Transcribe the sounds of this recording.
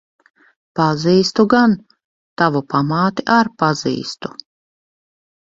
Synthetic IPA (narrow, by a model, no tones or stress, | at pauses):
paziːst̪uɡan | t̪avupamaːt̪iʔaɾpaz̥ḭːst̪u